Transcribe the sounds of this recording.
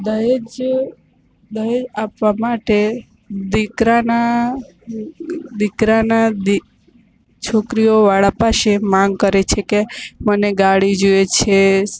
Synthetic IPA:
d̪əed͡ʒ | d̪əɾed͡ʒapʋamaʈe | d̪ikɾana | d̪ikɾanad̪i | t͡ʃʰokɾijoʋaɭapaʃemãŋɡkəɾet͡ʃʰekeməneɡaɽid͡ʒoet͡ʃʰe

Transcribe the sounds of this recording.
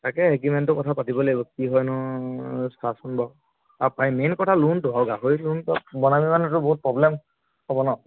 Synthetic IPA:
takɛekimentɔkɔtʰapatibɔlebɔkiɦɔjnɔ | stasɔnbɔ | apajmenkɔtʰaluntʊawɡaɦoiluntɔbɔnamimanɛtʊbɔɦut̚pɹɔblem | hɔbɔnɔ

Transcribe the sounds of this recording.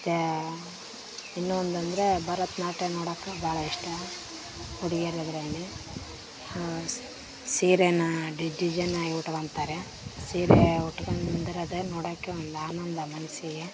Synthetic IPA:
ɐt̪ːe | inːuɐnd̪ɐnd̪ɐɾebɐɾɐt̪naːʈenoːɽɐːkːabaːɭɐiʂʈɐ | uɽiɡeɾed̪ɐɾɐli | siːɾenɐɖid͡ʒid͡ʒɐnaːjiuʈɐʋɐnt̪aːɾe | siːɾeuʈːɡɐnnd̪iɾɐd̪enoːɽɐːkːeond̪uaːnɐnd̪ɐmɐnɐsiɡe

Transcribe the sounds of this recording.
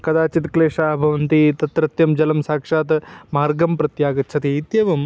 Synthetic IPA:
kɐd̪aːt͡ʃit̪kleːʂaːbʱɐʋɐnt̪it̪ɐt̪ɾɐt̪jɐmd͡ʒɐlɐmsaːkʂaːt̪ɐmaːɾɡɐmpɾɐt̪jaːɡɐt̪ːt͡ʃʰɐt̪iːt̪jɐʋɐm

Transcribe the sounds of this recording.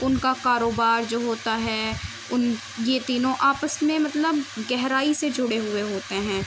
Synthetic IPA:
ʊnkakaːɾoːbaːɾd͡ʒoːɦoːt̪aɦɛː | ʊn | jet̪iːnõʔaːpəsmẽmɐt̪ləbɡɛɦɾaːised͡ʒʊɽeɦʊeɦoːt̪eɦɛ̃ː

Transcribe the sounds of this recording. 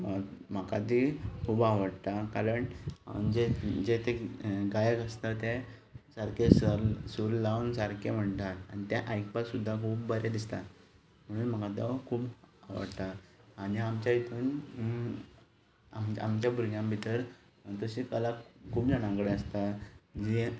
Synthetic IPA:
məm̤akat̪̬ikʰuːbaʋəɽt̪akaɾəɳʈd͡ʑed͡ʑet̪eɡajəkəst̪at̪e | saɾkessuɾlaunsaɾkem̤əɳt̪at̪aɽnit̪jaʔajk̚pat̪sud̪ʱːakʰuːbbəɾad̪ist̪a̰ | m̤əɽ̃uːnm̤əkat̪ɔkʰuːbaʋə̰ɽt̪aːɽiamt͡ɕait̪ʰuːn | ama̰mt͡ɕjabuɾɡjãmbʱit̪əɾ | t̪əɕikəlakʰuːbd͡ʑənãɡɽeəst̪ad͡ʑi

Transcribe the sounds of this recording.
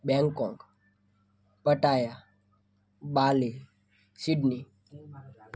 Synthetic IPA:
bɛ̃ŋkɔ̃ŋk | pəʈaːja | ɓaːli | siɖni

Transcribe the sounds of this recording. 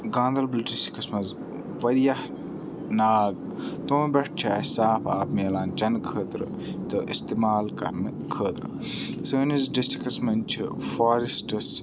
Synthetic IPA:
ɡãːnd̪ɐlblʈisi̥kɐsmɐz | ʋɐɾijɐh | naːɡ | t̪oːmbʲeʈ̚t͡ʃʰaːsaːpʰaːpmeːlaːnt͡ʃɐnkʰəːt̪ɾɨ̰ | t̪ɨʔist̪iːmaːlkɐ̰ɾnɨ | kʰəːt̪ɾɨ̰ | səːnizɖisʈikɐsmɐnt͡ʃʰifaːɾisʈɨs

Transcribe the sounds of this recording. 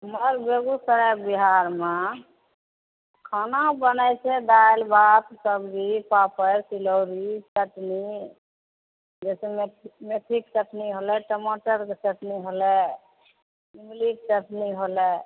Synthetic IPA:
məɾbeɡusəɾək̚biɦaɾme | kʰanabənəjt͡ʃʰɛd̪ajlbat̪səbɾipapəɾsilowɾitəʈni | d͡ʒɛsememet̪ʰɾiksəʈniɦolɛʈəmoʈəɾksəʈniɦolɛ | imliksəʈniɦolɛ

